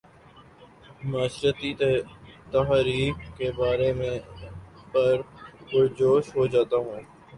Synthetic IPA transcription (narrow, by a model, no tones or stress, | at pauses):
maːʃɾət̪i | t̪əɦɾiːkkeːbaːɾeːmẽːpəɾbʊɾd͡ʒoːʃɦod͡ʒaːt̪aːɦũː